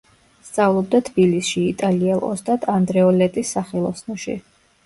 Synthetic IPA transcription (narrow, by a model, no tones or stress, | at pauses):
st̪sʼavlˠɔb̚d̪at̪ʰb̥ilisʃiːt̪ʼaliɛlˠɔ̰st̪ʼad̪ʰand̪ɾɛɔlɛt̪ʼisːaχɛlˠɔsnɔʃḭ